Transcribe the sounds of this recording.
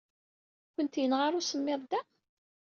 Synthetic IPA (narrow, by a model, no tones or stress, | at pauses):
kənt̪jənʁaɾˤʊsəmːeðˤd̪æ